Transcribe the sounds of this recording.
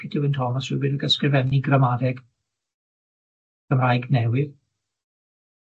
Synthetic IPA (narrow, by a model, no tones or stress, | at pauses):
ɪdɪwɪntʰɔmasrɪbɨdəɡəskrɪvɛmniɡramaðɛɡ | əmrajɡnɛwɪð